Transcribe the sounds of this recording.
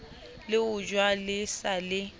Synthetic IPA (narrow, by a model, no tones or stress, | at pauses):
lɪʊd͡ʒwalɪsalɪ